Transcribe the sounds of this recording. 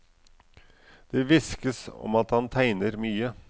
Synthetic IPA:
d̪̥ɛːʋɪskəsɔ̰mɑt̪hɑnt̪ʰæɪnəɾmyːə

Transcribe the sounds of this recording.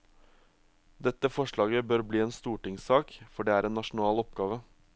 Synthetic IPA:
d̪ɛt̪ːəfɔʂɭɑːɡəbøːɾbliːeːnst̪uːʈɪŋsɑːkfɔɖeːæːɾeːnnɑʂn̩ɑːlɔp̚ɡɑːʋə

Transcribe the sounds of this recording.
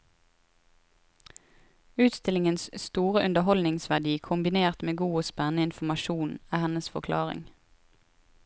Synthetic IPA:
ʉːt̪st̪ɪlɪŋənsst̪uːʁəʔʉnd̪əɦɔlnɪŋsʋæʁd̪iːkʰʊmbɪneːʁt̪meːɡuːoːspɛnnəɪnfmɑʃuːnæːhɛnəsfɔkʰlɑ̰ːʁɪ̰ŋ

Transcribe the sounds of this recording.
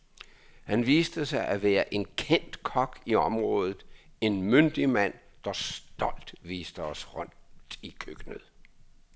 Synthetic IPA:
hænʋiːsd̥əsɑ̈ɪʔæʋæːɐʔe̝nkʰen̰d̥kʰɒɡ̥iɒ̽mʁɔ̽ːð̞ˠð̩ˠe̝nmønd̥imæn̰ | d̥ɑ̈sd̥ɒ̽l̰d̥ʋiːsd̥əɒsʁɔn̰d̥ikʰøɡ̥nəðˠ

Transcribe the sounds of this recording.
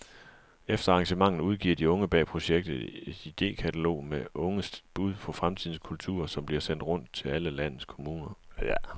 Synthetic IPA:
efd̥ɐɑ̈ŋɕəmɑ̈ŋ̰n̩uð̞ˠɡ̥ḭɐ̰d̥iɔ̽ŋəb̥ɛ̰ːpʰʁo̝ɕeɡ̥̚d̥ð̩ˠe̝d̥id̥e̝̰ːkʰæt͡sʰælo̝̰ːmeʔɔ̽ŋəsb̥uð̞ˠfʰɒ̽fʁamt͡sʰið̞ˠn̩skʰult͡sʰṵɐsɒ̽mb̥liɐsen̰d̥ʁɔ̽n̰d̥̚t͡sʰe̝læləlæn̰ð̩ˠskʰomuːnɐ

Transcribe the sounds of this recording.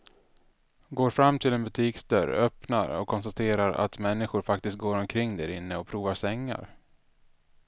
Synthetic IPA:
ɡoːɾfɾamːt̪ʰɪlɛnbɵt̪ʰiːksd̪œɾœpna̰ɾɔ̰kʰːɔnst̪at̪ʰeːɾaɾa̰t̪mɛnːɪɧʊɾfak̚t̪ɪst̪̚ɡoːɾɔmkʰɾɪŋːd̪æɾɪnːəɔpʰɾuːvaʂɛŋːa̰ɾ

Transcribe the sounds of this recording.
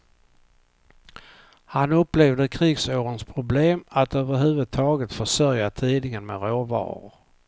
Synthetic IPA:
hanɵpːleːvd̪əkʰɾiːɡsoːɾənspʰɾʊbleːmat̪øːvəɾɦʉ̟ːvɵd̪̚t̪ʰɑːɡət̪fœʂœɾjat̪ʰiːd̪ɪŋənmḛɾoːvɑ̰ːɾʊ̰ɾ

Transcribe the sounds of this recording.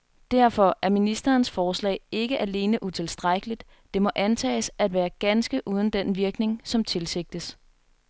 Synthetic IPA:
d̥æɐ̰fɒ̽ʔæɐminisd̥ɐːnsfɒːslɛ̰ɪe̝ɡ̥əʔæle̝ːnəʔut͡sʰe̝lsd̥ʁaɡ̥əlid̥ | d̥e̝mɒ̽ʔænt͡sʰɛ̰ːsæd̥ʋæːɐɡ̥ænsɡ̥əʔuːð̞ˠən̩d̥enʋiɐɡ̥ne̝ŋsɒ̽mt͡sʰe̝lse̝ɡ̥̚d̥əs

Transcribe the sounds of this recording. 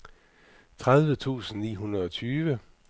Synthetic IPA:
t͡sʰʁaðˠʋət͡sʰṵːsn̩nḭːɦunʁɐðˠɒ̽t͡sʰyːʋə

